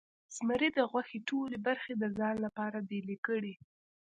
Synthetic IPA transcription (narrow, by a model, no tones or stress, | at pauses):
sməɾid̪əɣwaxeʈolebaɾxed̪əzɑnlapɑɾad̪elekəɽi